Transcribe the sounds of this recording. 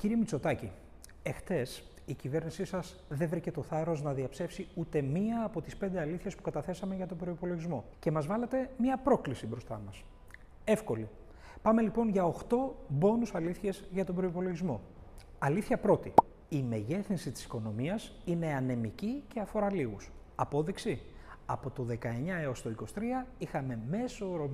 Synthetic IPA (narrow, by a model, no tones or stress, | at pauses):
ciɾiemit͡so̞t̪ɐci | e̞xθe̞s | icive̞ɾnisisɐs | ðe̞vɾice̞t̪o̞θɐɾo̞znɐðiɐpse̞fsiut̪e̞miɐːpo̞t̪ispe̞nd̪e̞ɐliθçespu̥kɐt̪ɐθe̞sɐme̞ʝɐt̪o̞bɾo̞ipo̞lo̞ʝizmo̞ce̞mɐzvɐlɐt̪e̞mɲɐpɾo̞klisibɾo̞st̪ɐ̰mɐs | e̞fko̞li | pɐme̞lipo̞nʝɐo̞xt̪o̞bo̞nusɐliθçezʝɐt̪o̞bɾo̞ipo̞lo̞ʝizmo̞ | ɐliθçɐpɾo̞t̪i | ime̞ʝe̞θinsit̪i̥si̥ko̞no̞miɐsine̞ɐne̞micice̞ɐfo̞ɾɐliɣus | ɐpo̞ðiksi | ɐpo̞t̪o̞ðe̞kɐe̞ɲɐe̞o̞st̪o̞iko̞st̪ɾiɐixɐme̞me̞so̞ɾom